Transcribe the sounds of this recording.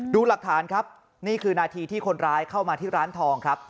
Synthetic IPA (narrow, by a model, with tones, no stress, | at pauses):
duː˧la˨˩k̚t̪ʰaː˩˦nkʰɾa˦˥p̚ | niː˥˩kʰɯː˧naː˧t̪ʰiː˧t̪ʰiː˥˩kʰo˧nɾaː˦˥jkʰa˥˩wmaː˧t̪ʰiː˥˩ɾaː˦˥nt̪ʰɔː˧ŋkʰɾa˦˥p̚